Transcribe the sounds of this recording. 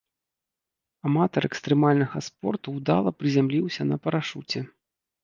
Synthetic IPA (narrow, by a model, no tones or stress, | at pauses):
amat̪ɐɾɛkst̪ɾɛmalʲnɐɣɐspɔrt̪uwd̪a̰lˠɐpɾɨzʲamlʲiwsʲɐnɐpɐɾaʂut͡sʲɛ